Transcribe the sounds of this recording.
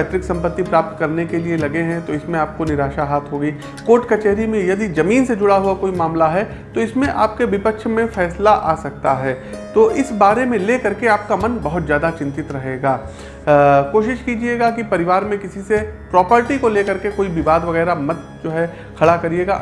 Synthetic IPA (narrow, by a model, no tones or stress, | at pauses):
at̪ɾɪksɐ̃mpət̪ːipɾaːp̚t̪kɐɾnekelielɐɡeɦɛ̃t̪oɪsmẽaːp̚konɪɾaːʃaɦaːt̪ɦoːɡiː | koːʈkɐt͡ʃeːɦɾimẽjɐd̪izɐmiːnsed͡ʒʊɽaɦuakoːimaːmlaɦɛ | t̪oɪsmẽʔaːp̚keʋɪpəkʃmẽfɛːslaʔaːsɐk̚t̪aɦɛː | t̪oːʔɪsbaːɾemẽleːkɐɾkeaːp̚kamɐnbɐɦʊt̪zjaːd̪at͡ʃɪ̃nt̪ɪt̪ɾɐɦeːɡaː | koːʃɪʃkiːd͡ʒieːɡakipɐɾɪʋaːɾmẽkɪsisepɾɔːpəɾʈikoleːkɐɾkekoːibɪʋaːd̪ʋɐɣɛːɾamɐt̪̚ | d͡ʒoːɦɛ | kʰɐɽakɐɾieːɡa